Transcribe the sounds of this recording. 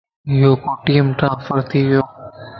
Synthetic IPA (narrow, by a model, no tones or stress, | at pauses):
ɦɪɦoːkoːʈiːəmʈɾãːnfəɾt̪ʰiːʋɪjoː